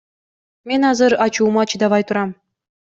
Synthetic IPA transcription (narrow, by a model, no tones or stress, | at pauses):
mʲenʲɑzɤ̆ɾɑt͡ɕuːmɑt͡ɕid̪ɑβɑjt̪uɾɑm